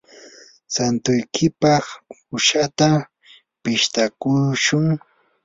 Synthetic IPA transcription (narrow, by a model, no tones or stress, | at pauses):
sant̪ʊjkʰɪpɑχ | ʊʃat̪a | pɪʃt̪akʊʃʊŋ